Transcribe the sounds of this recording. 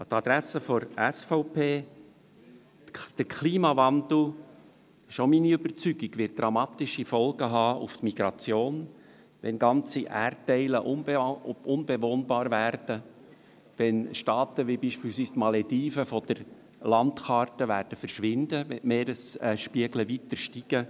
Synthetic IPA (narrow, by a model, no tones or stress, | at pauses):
t̪ɑd̥̪ɾæsːəfɔɾæsfɔʊpʰeː | d̥əɾkʰliːmɑvɑnd̪l̩ˠ | ɪʃominiøbəɾt͡syɡ̥iɡ̥ʋɪt̚d̥ɾɑmɑːt̪ɪʃifɔlɡəɦɑːuft̪miɡ̥ɾɑt͡sjoːn | ʋɛnɡɑnt͡siʔæɾttːɛɪləʔʊnbʊnbɛvoːnbɑːɾvæːɾd̥ə | ʋɛnʃtɑːt̪əʋibiʃpiːlsʋiːst̪mɑlɛdiːfəfɔd̥̪əɾ | lɑnt̪xɑrtəʋæːɾd̥əfəɾʃʋɪnd̪əɛmeːɾəsɛʃpiəɡləʋit̪əɾʃtiɡ̥ə